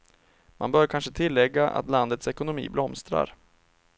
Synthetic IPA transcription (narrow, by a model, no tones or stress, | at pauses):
mʔa̰nbœːɾkʰanʂət̪ʰɪlːɛɡːaʔa̰t̪land̪ət̪sɛkʊnʊmḭːblɔmst̪ɾa̰ɾ